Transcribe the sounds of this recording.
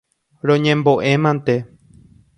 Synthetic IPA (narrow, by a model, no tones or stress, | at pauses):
ɾõɲẽmbo̞ʔẽ̞mãnt̪e